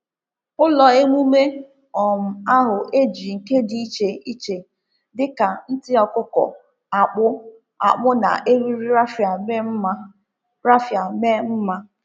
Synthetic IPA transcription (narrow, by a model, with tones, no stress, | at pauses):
ʊ˦lɔ˨e˦ŋʷu˦me˦ | ɔ˨m̩˨a˦ɦʊ˨ʔe˦d͡ʒi˨ŋ̩˨ke˦di˦i˦t͡ʃe˨i˦t͡ʃe˨ | dɪ˦ka˨n̩˦tɪ˦ɔ˨kʊ˦kɔ̰˨ | a˨k͡pʊ˦ | a̰˨k͡pʊ˦na̰˨ʔe˦ɾi˦ɾ̩˦˨˦ | ɾa˦fja˨me˦m̩˦ma˦